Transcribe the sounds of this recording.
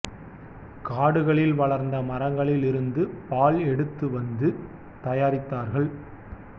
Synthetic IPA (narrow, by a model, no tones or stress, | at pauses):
kaːɽɯɣɐɭɪlʋɐɭɐɾnd̪ɐmɐɾɐŋɡɐɭɪlɪɾɯnd̪ɯpaːɭɛɽɯt̪ːɯʋɐnd̪ɯ | t̪ɐjaːɾɪt̪ːaːɾɣɐɭ